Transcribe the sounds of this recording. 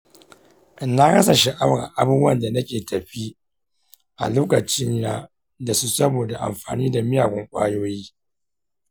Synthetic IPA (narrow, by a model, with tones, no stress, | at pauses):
ʔna˦kɐ˦sa˨ʃi˨ʔa˦wɾa̰˨ʔa˦buː˦bu˦ɐ˦˨nda˨nɐ˦kʲeː˨tɐ˨ɸi˦ | ʔa̰˨loː˦kɐ˨t͡ʃɪ˦ɲjaː˦ | da˨su˦sɐ˦boː˨da˨ʔa̰˨mɸa̰ː˨niː˦da˨mɪ˦jaː˨ɡʷʊ˦ŋkʷʼa̰ː˦joː˦jiː˦